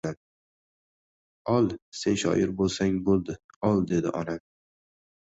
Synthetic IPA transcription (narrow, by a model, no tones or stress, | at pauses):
an | ɒlˠsenʃɒ̰ʔɪɾbolˠsaŋbolˠd̪ɪ | ɒlˠd̪e̞d̪ɪʔɒna